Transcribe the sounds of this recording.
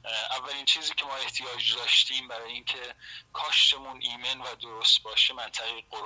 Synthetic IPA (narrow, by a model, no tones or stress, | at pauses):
ʔævːæliːnt͡ʃʰiːziːcʰe̞mɒːe̞ht̪ʰijɒːd͡ʒd̪ɒːʃt̪ʰiːmbæɾɒːjeiːŋcʰe̞kʰɒːʃt̪ʰe̞munʔiːme̞nvæd̪oɾost̪̚bɒːʃemænt̪ʰæɣejɡoɾ